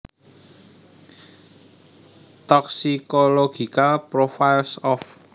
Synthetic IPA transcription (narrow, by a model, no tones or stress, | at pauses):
t̪ɔksikoloɡ̥i̤kalpɾofajlsɔf